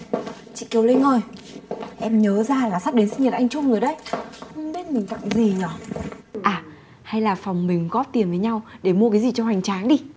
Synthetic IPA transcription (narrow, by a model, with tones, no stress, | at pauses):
t͡ɕḭ˧˨ki˨˩əwle˧no˧˩j | ʔɛ˧mɲəː˨˦zaː˧laː˨˩sa˦˥k̚ɗe˨˦nsi˧ŋɲə˨˩t̚ʔa˧jŋ̟t͡ɕʊ˧wŋ͡mzɨ˨˩jɗə˧˦jxə˧wŋ͡mɓi˦˥ət̚mï˨˩ŋ̟t̪a̰˧˨˦zi˨˩ɲɔ˨˩˦ʔaː˨˩ | ha˧jlaː˨˩fɔ˨˩wŋ͡mmï˨˩ŋ̟ɣɔ˦˥p̚t̪i˨˩ənvəː˨˦jɲa˧wɗe˧˩mu˧kaː˨˦jzi˨˩t͡ɕɔ˧ha˨˩jŋ̟t͡ɕaː˨˦nɗi˧